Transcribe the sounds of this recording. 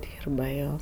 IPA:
ˈdʲiːrbɐ ˈjoː

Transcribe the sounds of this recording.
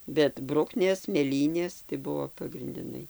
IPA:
bʲɛt ˈbrʊknʲeːs mʲeːˈlʲiːnʲeːs tɐɪ ˈbʊʋoː pɐɡrʲɪnʲdʲɪˈnɐɪ

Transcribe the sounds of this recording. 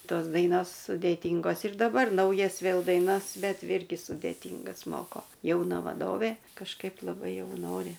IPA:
ˈtoːs ˈdɐɪnoːs sʊdʲeːˈtʲiːŋɡoːs ɪr dɐˈbɐr ˈnɐʊjɛs ˈʋʲeːlˠ dɐɪˈnɐs ˈbʲɛt ˈɪrʲɡʲɪ sʊdʲeːˈtʲiːŋɡɐs ˈmoːkoː jɛʊˈnɐ ʋɐˈdoːʋʲeː kɐʃˈkɐɪp lˠɐˈbɐɪ ˈjɛʊ ˈnoːrʲɪ

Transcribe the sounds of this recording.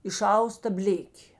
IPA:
ɪˈʃɐʊstɐ ˈbʲlʲeːkʲeː

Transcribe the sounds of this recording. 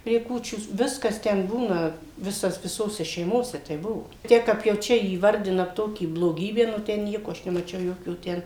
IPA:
pʲrʲiɛ ˈkuːt͡ʃʲuː ˈʋʲɪskɐs tʲɛn ˈbuːnɐ ˈʋʲɪsɐs ʋʲɪˈsoːsʲɛ ʃʲɛɪˈmoːsʲɛ ˈtʲɛɪp ˈbʊʋoː ˈtʲiɛk kɐp jɛʊ ˈt͡ʃʲɛ iːʋɐrʲˈdʲɪnɐ ˈtoːkʲiː blˠoːˈɡʲiːbʲæː nʊ ˈtʲɛn ˈnʲiɛkoː ˈɐʃ nʲɛmɐˈt͡ʃʲɛʊ ˈjoːkʲoː ˈtʲɛn

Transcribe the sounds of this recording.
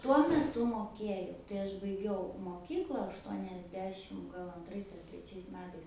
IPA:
ˈtuɔ mʲɛˈtʊ moːˈkʲeːjɛʊ tɐɪ ˈɐʃ bɐɪˈɡʲɛʊ moːˈkʲiːklˠɐ ɐʃtuɔnʲɛzʲˈdʲæːʃʲɪm ˈɡɐlˠ ɐnˈtrɐɪs ɐr tʲrʲɛˈt͡ʃʲɛɪs ˈmʲæːtɐɪs

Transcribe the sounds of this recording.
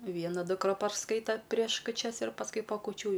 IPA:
ˈʋʲiɛnɐ dʊkˈrɐ pɐrˈskɐɪtoː pʲrʲiɛʃ kʊˈt͡ʃʲɛs ɪr pɐsˈkʊɪ pɐ kʊˈt͡ʃʲuː jɛʊ

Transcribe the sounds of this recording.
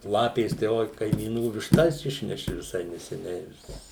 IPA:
ˈlˠɑːpʲeːs tɐɪ ˈoːɪ kɐɪmʲiːˈnuː ʋʲɪʃˈtɐs ˈɪʃʲnʲɛʃʲɪ ʋʲɪˈsɐɪ nʲɛsʲɛˈnʲɛɪ ʋʲɪs

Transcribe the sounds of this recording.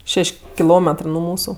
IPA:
ˈʃʲɛʃʲ kʲɪˈlˠoːmʲɛtrɜ nʊ ˈmuːsʊ

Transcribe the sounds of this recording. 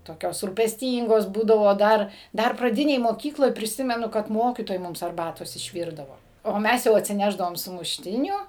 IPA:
toːˈkʲoːs ruːpʲɛsʲˈtʲiːŋɡoːs ˈbuːdɐʋoː ˈdɐr ˈdɐr prɐˈdʲɪnʲeːj moːˈkʲiːklˠoːj pʲrʲɪˈsʲɪmʲɛnʊ kɐt ˈmoːkʲiːtoːjɛɪ ˈmʊms ɐrˈbɑːtoːs ɪʃʲˈʋʲiːrdɐʋoː oː ˈmʲɛs jɛʊ ɐtʲsʲɪˈnʲæːʒdɐʋoːm sʊmʊʃʲˈtʲɪnʲuː

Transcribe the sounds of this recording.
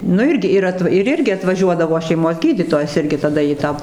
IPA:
nʊ ˈɪrʲɡʲɪ ɪr ˈɐt ɪr ˈɪrʲɡʲɪ ɐtʋɐˈʒʲuɔdɐʋoː ʃʲɛɪˈmoːs ˈɡʲiːdʲiːtoːjɛs ˈɪrʲɡʲɪ tɐˈdɐ iː ˈtɑː

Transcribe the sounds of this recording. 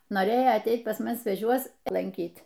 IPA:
noːˈrʲeːjoː ɐtʲˈɛɪt pɐs ˈmʊs sʲʋʲɛˈt͡ʃʲuɔs lˠɐŋʲˈkʲiːt

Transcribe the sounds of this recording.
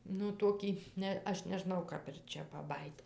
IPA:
nʊ ˈtoːkʲiː ˈnʲɛ ˈɐʃ nʲɛˈʒnɐʊ ˈkɐp ɪr ˈt͡ʃʲɛ pɐˈbɑːjiːt

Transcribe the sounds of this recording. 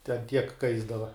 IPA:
tʲɛn tʲiɛk ˈkɐɪzdɐʋɐ

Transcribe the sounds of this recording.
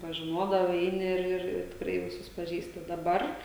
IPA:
pɐʒʲɪˈnoːdɐʋɐɪ ˈɛɪnʲɪ ɪr ɪr ɪr tʲɪkˈrɐɪ ʋʲɪˈsʊs pɐˈʒʲiːsʲtʲɪ dɐˈbɐr

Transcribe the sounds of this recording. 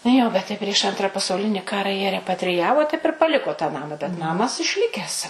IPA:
ˈjoː bʲɛt ˈtɐɪ pʲrʲiɛʃ ˈɐntrɐ pɐsɐʊˈlʲɪnʲɪ ˈkɑːrɐ jiɛ rʲɛpɐtʲrʲɪˈjæːʋoː tɐɪp ɪr pɐˈlʲɪkoː tɑː ˈnɑːmɐ bʲɛt ˈnɑːmɐs ɪʃʲˈlʲɪkʲɛs

